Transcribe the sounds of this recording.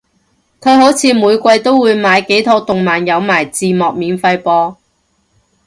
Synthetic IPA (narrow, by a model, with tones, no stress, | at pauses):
kʰɵ˨˧ɥho˨˥wt͡sʰiː˨˧muː˨˧jkʷɐ˧jt̪o˥wːuː˨˧jmaː˨˧jke˨˥jt̪ʰɔː˨˥t̪ʊ˨ŋmaː˨njɐ˨˧wmaː˨˩jt͡siː˨mɔː˨k̚miː˨˧nfɐ˧jpɔː˧